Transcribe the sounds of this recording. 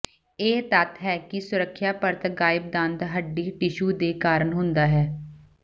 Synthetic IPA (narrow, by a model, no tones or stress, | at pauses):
eːt̪ət̪ɦɛːkɪsʊɾəkʰːjaːpəɾt̪ɡaːɪb̚d̪ãnd̪ɦəɖːiːʈɪʃuːd̪eːkaːɾəɳɦʊnd̪aːɦɛː